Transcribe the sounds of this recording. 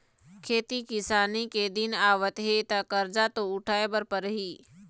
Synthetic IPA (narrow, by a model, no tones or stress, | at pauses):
kʰeːt̪ikɪsaːniked̪ɪnaːʋət̪ɦet̪akəɾd͡ʒat̪oʊʈʰaːebəɾpəɾɦiː